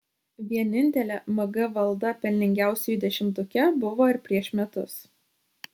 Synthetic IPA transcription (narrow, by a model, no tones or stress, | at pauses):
ʋʲiɛnʲɪnʲt̪ʲɛlʲɛmɐɡɐʋɐlˠd̪ɐpʲɛlʲnʲɪŋʲɡʲæˑʊsʲɛjʊd̪ʲɛʃʲɪmt̪ʊkʲɛbʊʋoːɪɾpʲɾʲiɛʃʲmʲɛt̪ʊs